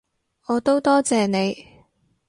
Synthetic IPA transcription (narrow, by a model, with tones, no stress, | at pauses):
ɔː˨˧t̪o˥wt̪ɔː˥t͡sɛː˨ne˨˧j